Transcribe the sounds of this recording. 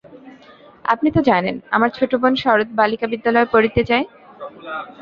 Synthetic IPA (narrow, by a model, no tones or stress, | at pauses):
a̰pnit̪od͡ʑanena̰maɾt͡ɕʰoʈobonʃɔɾot̪̚balikabid̪ːalɔepoɾit̪et͡ɕae